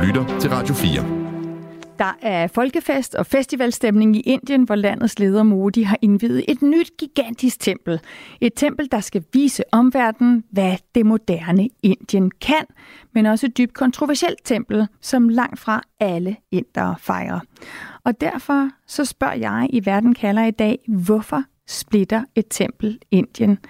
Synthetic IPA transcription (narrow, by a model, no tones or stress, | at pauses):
lydɐt͡sʰe̝lʁɑ̈d̥jo̝fiːɐ | d̥ɑ̈ʔæɐfɒ̽lɡ̥əfesd̥ɒ̽fesd̥iʋælsd̥emne̝ŋiʔe̝n̰d̥jənʋɒlæn̰ð̞̩ˠsle̝ːð̞ˠɐmo̝ːd̥iɦɑ̈ʔe̝nʋḭːð̩ˠe̝d̥nyd̥ɡ̥iɡ̥æn̰d̥isɡ̥̚t͡sʰem̰b̥l̩e̝d̥̚t͡sʰem̰b̥l̩d̥ɑ̈sɡ̥æʋḭːsəʔɒ̽mʋæɐ̰d̥n̩ʋæd̥e̝mo̝d̥æɐnəe̝nd̥jənkʰæn̰ | menɒ̽səe̝d̥̚yb̥̚kʰɒ̽nt͡sʰʁo̝ʋæɐsiel̰d̥̚t͡sʰem̰b̥l̩sɒ̽mlɑ̈ŋ̰d̥fʁɑ̈æləen̰d̥ɐfɑ̈ɪʁɐʔɒ̽d̥æɐ̰fɒ̽sɒ̽sb̥ɶɐ̰jɑ̈ɪʔiʋæɐd̥n̩kʰælɐid̥ɛ̰ːʋɒfɒ̽ | sb̥le̝d̥ɐe̝d̥̚t͡sʰem̰b̥l̩e̝n̰d̥jən